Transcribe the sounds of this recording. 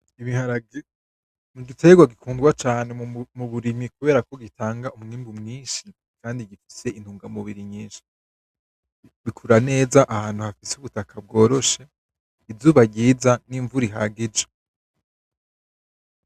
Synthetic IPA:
iβihaɾaɡ | muɡitʰe̞ɡwaɡikʰuːndɡwat͡ʃaːne̞muβuɾimikuβe̞ːɾako̞ɡitʰaːŋɡaumuniːmbumŋiːnʃi | kaːndiɡifi̥se̞ʔin̥huːŋɡamuβiɾiɲiːnʃi̥ | βikʰuɾane̞ːzaʔahaːn̥huhafisuβutakʰab̚ɡo̞ːɾo̞ʃe̞ | ivzuːβaɟiːzaniːɱvuɾiɦaːɡid͡ʒe

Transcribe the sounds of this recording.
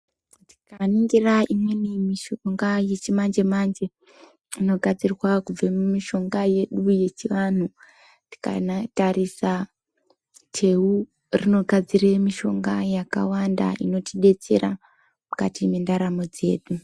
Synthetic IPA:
tikaniŋɡiraimwenimiʃoŋɡaje̞t͡ʃimand͡ʒe̞mand͡ʒe̞ | ino̞ɡʱad͡zirwakub͡vemumiʃo̞ŋɡaje̞ɗuje̞t͡ʃiʋanu | ti̥ka̰natarisa | tʰe̞u | rino̞ɡʱad͡ziremiʃo̞ŋɡajaka̰wanda̰ino̞tʰiɗe̞t͡se̞̰ra | muka̰timendaɾamo̞d͡ze̞̰ːɗu

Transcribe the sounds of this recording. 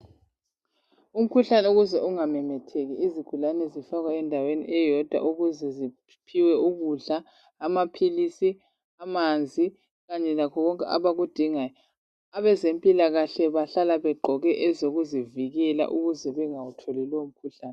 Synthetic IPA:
um̩kʰuɬanɛuɣuzɛʔuŋamɛmɛtʰeɣiiziɡ̥ʱulanɛzifaɣwaɛndʱawenḭʔɛjɔd̥ʱwa̰ʔuɣuzɛzi | pʰiwɛuɣuɮaː | mapʰilisi | amand͡zʱi | ɣaɲɛlakʰɔɣɔŋkʼɛʔa̰βaɣud̥ʱiŋaːjɔ | aβɛzempʼilaɣaɬɛβaɬalaβɛɡ͡ǃʱɔɣɛʔɛzoɣuziviɣɛla̰ʔuɣuzɛβɛŋawutʰolilɛum̩kʰuɬaːnɛ

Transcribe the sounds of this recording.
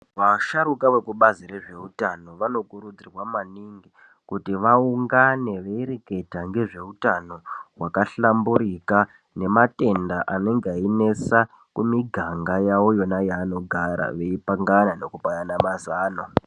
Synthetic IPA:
ʋaʃaɾukawe̞kuɓaziɾe̞ʐe̞utano̞ʋano̞kuɾud͡zirwamaniŋɡi | kutiʋauŋɡane̞ʋeiɾeke̞dʱaŋɡe̞ʐe̞utano̞ɦwakaɬambuɾika | ne̞mate̞ndaʔane̞ŋɡaine̞sa | kumiɡʱaŋɡajawojo̞najaːno̞ɡʱaɾa̰ʋe̞ipaŋɡanane̞kupajanamazaːno

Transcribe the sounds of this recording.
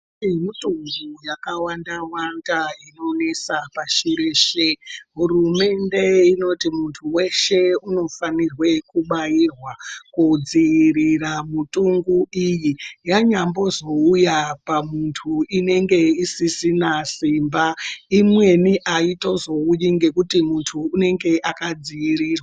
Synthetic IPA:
imitʼuŋɡujakawandawandaino̞ne̞sapaʃiɾeːʃeɦurume̞nde̞ino̞timuntʰuwe̞ʃe̞uno̞fanirwe̞kuɓajirwakud͡ziiriramutʼuŋɡuijijaɲambo̞zo̞ujapamuntʰuine̞ŋɡe̞isisinasimbaimwe̞niʔaito̞zo̞ujiŋɡe̞kutimuntʰuːne̞ŋɡe̞ʔakad͡zijiɾiːrwaa

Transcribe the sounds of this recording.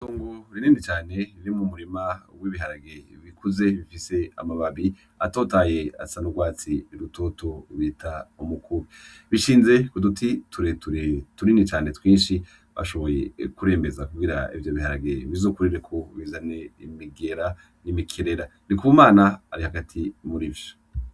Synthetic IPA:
tuːŋɡoɾininit͡ʃaːne̞ɾiɾimumuɾimawiβiɦaɾaɡe̞βikʰuze̞βifise̞a̰maβaβi | a̰to̞ːtaje̞a̰sanuɡwaːt͡siɾuto̞to̞βitʰaumukʰuβi | βiʃiːnze̞kudutʰitʰuɾetuɾtuɾinit͡ʃaːne̞twiːnʃi | βa̰ʃo̞βo̞je̞kuɾe̞ːmbe̞zakuɡiɾa̰ḭvjo̞βihaɾaɡeβizokuɾiɾekʰo̞βizaneimiɡe̞ɾa | nimikʰiɾe̞ɾanikuβumaːnaːɾihaɡatʰimuɾivjo̥

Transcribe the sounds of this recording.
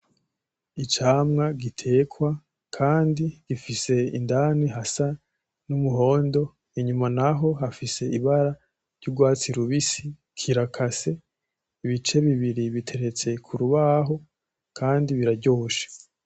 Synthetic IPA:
it͡ʃaːmŋaɡitʰe̞ːkwa | kʰaːndiɡ̥ifise̞ḭndaːniɦasa | numuɦo̞ːndo̞ | iɲumanaɦo̞ɦafise̞iβaɾa | ɾɟuɡwaːt͡siɾuβisi | kʰiɾakʰase̞ | iβit͡ʃe̞βiβiɾiβitʰe̞ɾe̞t͡se̞kʰuɾuβaɦo̞ | kʰaːndiβiɾaɟoːʃḁ

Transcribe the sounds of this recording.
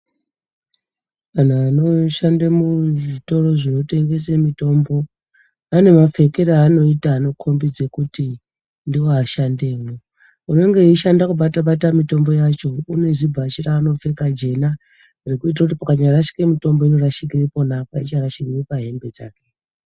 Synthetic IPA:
kan̤aano̞ʃandemuʐito̞ro̞ʐino̞te̞ŋɡe̞s̬emito̞mbo̞ | ane̞map͡fe̞keɾeːno̞itaːno̞kʰo̞mbid͡zekuti | ndiwoaʃande̞ːmo | uno̞ŋɡe̞iʃandakuɓataɓatamito̞mbo̞jat͡ʃo̞une̞zibʱat͡ʃiraːno̞fe̞kad͡ʒe̞na | rikuit̬rakutipakaɲaraʃi̥kemito̞mboino̞raʃikiripo̞napait͡ʃaraʃikiripaɦe̞mbe̞d͡za̰ːke

